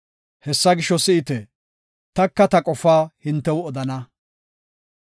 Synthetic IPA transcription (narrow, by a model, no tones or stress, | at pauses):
hɛsːɐɡɪʃːɔsɪʔɪt̪ɛ | t̪ɐkːɐt̪ɐkʼɔfːaːhɪnt̪ːɛwɔd̪ɐnɐ